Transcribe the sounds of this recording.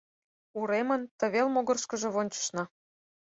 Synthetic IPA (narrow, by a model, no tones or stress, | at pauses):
uɾemə̆nt̪ə̆βelmoɣɤ̆rʃkə̆ʒɤ̆βonʲt͡ɕə̥̆ʃnɑ